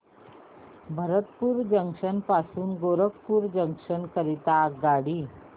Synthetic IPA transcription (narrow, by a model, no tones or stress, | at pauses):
bʱəɾət̪puːɾd͡ʑəŋkʂənpasuːnɡoɾək̚puːɾd͡ʑəŋkʂənkəɾit̪aɡaɽiː